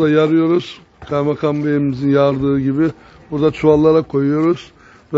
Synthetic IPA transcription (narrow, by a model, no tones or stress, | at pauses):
d̪ajaɾɯjo̞ɾuz̥ | kʰaɾmakʰambeɾimizinjaɾd̪ɯːɟibɪ | buɾd̪at͡ʃʰuallˠːaɾakʰo̞jujo̞ɾuz̥ | v